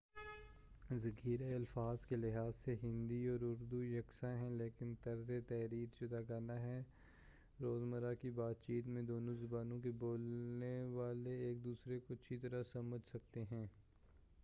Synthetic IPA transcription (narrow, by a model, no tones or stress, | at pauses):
zɐɡiːɾeɐlfaːzkelɪɦaːzseɦɪ̃nd̪iɔːɾʊɾd̪ujɐksãɦɛ̃leːkɪnt̪ɐɾzet̪ɛːɾiːɾd͡ʒʊd̪aɡaːnaɦɛ | ɾoːzməɾakibaːt̪̚t͡ʃiːt̪mẽd̪oːnõzɐbaːnõkeboːlneʋaːleeːk̚d̪uːsɾekoɐtːʃʰit̪ɐɾasɐməd͡ʒʱsɐkt̪eɦɛ̃ː